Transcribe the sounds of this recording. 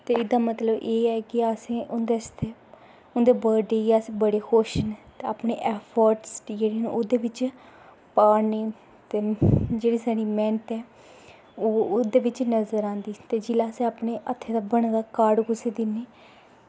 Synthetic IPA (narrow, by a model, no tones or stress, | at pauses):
t̪eːɪd̪aːmət̪ləbʔeːɛːkɪasẽːʔʊnd̪eːəst̪ʰeː | ʊnd̪eːbəɾɖeːjaːsẽːbəɽeːkʰoːʃənːt̪eaːpneːʔɛːpʰəɾʈsd͡ʒeːɽiːnũod̪eːʋɪt͡ʃ | paːneː | t̪eːd͡ʒeːɽiːsaːɽiːmɛ̃ːnəʈɛː | oːd̪eːʋɪt͡ʃnəzəɾãːnd̪iːt̪eːd͡ʒɪlaːsẽaːpɳeːʔət̪ʰːeːd̪aːbəɽd̪aːkaːɾɖkʊseːd̪ɪnːeː